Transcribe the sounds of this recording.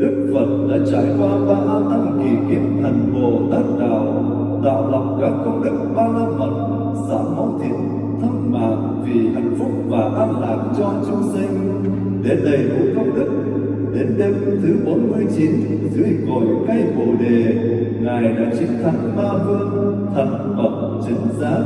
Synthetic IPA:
ɗɨ˦˥k̚fə˨˩t̚ɗa̰ː˧˥t͡ɕa̰ː˧˨jkwaː˧ɓaː˧ʔːt̪a˧ŋki˨˩kḭ˧˥ənt̪ʰa˨˩jŋ̟vo˨˩t̪aː˦˥t̚ɗa̰ː˧˨w | ɗ̪a̰ː˧˨wlɔ˨˩wŋ͡m̚kaː˦˥˩p̚kə˧wŋ͡mɗə˦˥k̚ɓaː˧na˧nmə̰˨˩t̚ | sa̰ː˧˥mɔ̰˧˦wt̪ʰḭ˧˨˥ən | t̪ʰə˦˥t̚ma̰ː˧˨ʔ | vi˨˩ʔa̰˧˨˥ŋfʊ˦˥k͡p̚vaː˨˩ʔaː˧mla̰ː˧˨˩k̚t͡ɕɔ˧t͡ɕʊ˧ŋ͡msï˧ŋ̟ | ɗe˨˦nɗə˨˧˩jvṵ˧˥kə˧wŋ͡mɗə˧˥k̚ | ɗe˨˦nɗe˧m˧t̪ʰɨ˨˦ɓo˨˦nmɨ˧əjt͡ɕi˨˦n | zɨ˨˦əjko˧˨˩jka˧˩jvo˨˩ɗe˨˩ŋaː˨˩jɗa̰ː˧˥t͡ɕï˨˦ŋ̟t̪ʰa˨˦ŋ̟ɓaː˧vɨ˧ən | t̪ʰə˨˦ŋ | mə˨˩k͡p̚t͡ɕi˨˦ŋ̟zaː˨˦˥

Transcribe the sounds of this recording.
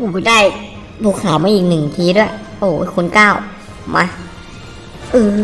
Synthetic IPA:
uː˧˩bdaː˥˩j | luː˧˩kʰaː˨˦maː˧˥ʔiː˨˩k̚nɯ˨˩ŋt̪ʰiː˧˦du˥˩ɐ˩ | ʔoː˨˩˧kʰu˧˦nkaː˥˩w | ma˧˥ | ʔɯː˧˩

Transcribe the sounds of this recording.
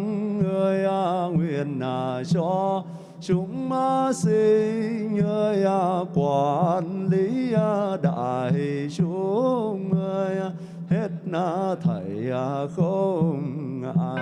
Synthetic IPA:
ŋŋəː˧əjʔaː˧ŋwi˧˨ənːaː˨˩t͡ɕɔ˧ | t͡ɕʊ˨˧˦ŋ͡mmaː˧˦si˧ɲəː˧jʔa˧kwaː˨˧˨ʔə˧nli˨˦aː˧ɗa̰ː˧˩hi˧˩t͡ɕu˧˦ŋə˧əja˧ | he˦˥t̚naː˧˩t̪ʰə˨˩jaː˨˩xə˧ŋ͡mŋa̰˧

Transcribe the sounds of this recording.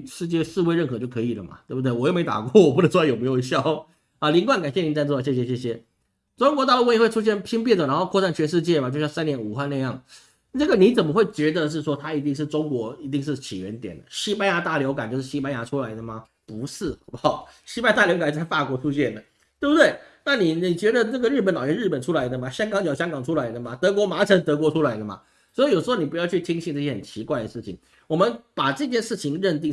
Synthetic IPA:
ʂɻ̩˥˧t͡ɕjɛ˥˧ʂɻ̩˥˧we˥ɪɻə˥˩nxɤ˧˥t͡ɕjo˥˩ʊkʰɤ˧˥i˨˩lə̰˦mɐ̰˩t̪we˥˩bu˧t̪̬e˥˩wɔ˨˩jme˧˥ɪt̪a̰˨˩kwɔ˥˩wɔ˨˩pu˥˩ə˧˦t͡swjo˨˩me˧˥ɪjo˨˩˧ɕjɑ˥ | a˥˧˩li˧˥ŋkwa˥˩˦nka˨˩nɕjɛ˥˩ni˧˥t͡sa˥˧t͡sɔ˥˩˨ɕjɛ˥˧˩ɕjɛ˧ɕ̬jɛ˥˩ɕ̬jɛ˧˥ | ʈ͡ʂʊ˥ŋkwɔ˧˥t̪ɑ˥˩ʊlə˧wi˧˥we˥˧ɪʈ͡ʂʰu˥ɕ̬jɛ˥˩npʰi˥ŋp̬jɛ˥˩nt͡sə˨˩ɻa˧˥xo˥˧ʊkʰɔ˥˧sa˥˩nt͡ɕʰɥɛ˧˥nʂ̬ɻ̩˥˧t͡ɕjɛ˥˩ma˨˩t͡ɕo˥˧ɕjsa˥njɛ˧˥nu˨˩xwa˥˧na˥˧jɑ˥˩ŋ˥ | ʈ͡ʂɤ˥˩ɡə˩ni˧˥t͡sə˨˩nmə˦xwe˥˩ɪt͡ɕɥɛ˧˥d̪ə˧ʂ̬ɻ̩˥˩ʂwɔ˥t̪ʰa˥i˧˥t̪i˥˧ŋʂ̬ɻ̩˥˩ʈ͡ʂʊ˥ŋkwɔ˧˥i˧˥t̪i˥˧ŋʂ̬ɻ̩˥˩t͡ɕʰi˨˩ɥɛ˧˥nt̪jɛ̰˨˩nd̪ə̰˦ɕi˥pa˥nja˧˥t̪a˥˩ljo˧˥ʊk̬a˨˩nt͡ɕjo˥˧ʊʂɻ̩˥˩ɕi˥pa˥nja˧˥ʈ͡ʂʰu˥la˧˥ɪd̪ə˧mɐ˩ | pu˧˥ʂɻ̩˥˩xpxɑ˨˩ɕi˥pa˥˧˥t̪a˥˩ljo˧˥ka˨˩t͡ɕt͡sʰɪfa˥˩kwɔ˧˥ʈ͡ʂʰu˥ɕjɛ˥˩nd̪ə˩ | tt̪e˥˩bu˩t̪we˥˩ɪna˥˩ni˨˩ni˨˩t͡ɕɥɛ˧˥d̪ə˧nə˥˩ɡə˩ɻ̩˥˩pə˨nlɑ˨˩ɥɛ˥nɻ̩˥˩pə˨˩nʈ͡ʂʰu˥la˧˥ɪd̪ə˧ma˨ɕjɑ˥ŋkɑ˧˥ŋt͡ɕɑ˨˩ʊɕjɑ˥ŋkɑ˨˩ŋʈ͡ʂʰu˥la˧˥ɪd̪ə˨ma˨t̪ɤ˧˥kwɔ˧˥ma˧˥ʈ͡ʂʰə˧˥nt̪ɤ˧˥kwɔ˧˥ʈ͡ʂʰu˥la˧˥ɪd̪ə˨mɐ̰˩ | swɔ˧˥i˧jʂ̩˧˥xo˧ni˨˩pu˧˥jɑ˥˧ʊt͡ɕʰy˥˩t͡ɕʰi˥ŋɕʰi˥˧nʈ͡ʂɤ˥˧˩jɛ˥xə˨˩nt͡ɕʰi˧˥kwa˥˩ɪd̪ə˩ʂɻ̩˥˩t͡ɕʰḭ˩˦ŋ | wɔ˨˩mə˦npa˨˩ʈ͡ʂɤ˥˧t͡ɕʰjɛ˥˧nʂɻ̩˥˩t͡ɕʰi˧˥ŋɻə˥˧nt̪i˥˧

